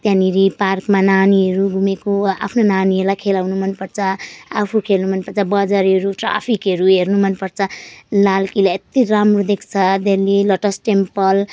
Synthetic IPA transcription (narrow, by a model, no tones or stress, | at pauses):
t̪jãniɾiparkmananiɦʌɾuɡʱumekoa̰pʰnonaniɦʌɾulajkʰelawnumʌnpʌrt͡sʰʌapʰukʰelnumʌnpʌrt͡sʰʌbʌd͡zaɾɦʌɾuʈra̰pʰikɦʌɾuɦernumʌnpʌrt͡sʰʌlalkilaet̪iramrod̪ekʰt͡sʰʌd̪elːilʌʈʌsʈempʌl